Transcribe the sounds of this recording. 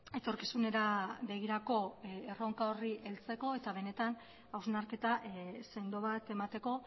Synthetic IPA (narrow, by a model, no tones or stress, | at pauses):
e̞t̪o̞ɾkisune̞ɾaβe̞ɣ̞iɾako̞ero̞ŋkaoriʔe̞lt͡se̞ko̞e̞t̪aβ̞e̞ne̞t̪an | awznaɾke̞t̪aʔse̞nd̪o̞βat̪e̞mat̪e̞ko̞